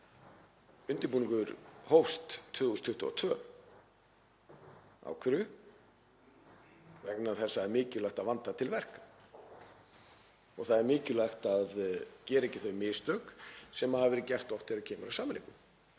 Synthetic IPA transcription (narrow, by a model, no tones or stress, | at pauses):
ʏnt̪ɪɾpuːniŋkʏɾhowst̪t̪ʰvœːɣust̪ʰʏht̪ʏɔ̰t̪ʰvœː | a̰wkʰɪɾʏ | vɛknaɾ̥θɛsːaɛɾmɪːcʏlajxt̪aðvant̪at̪ʰɪlvɛr̥kḁ | ɔɣθaðɛɾmɪːcʏlajxt̪aðcɛːɾɪecːɪθœɥmɪːst̪œksɛmaðhavɛːɾɪcɛr̥t̪ɔht̪ɪɾaðcʰɛːmʏɾawsaːmɪlḛːkʏm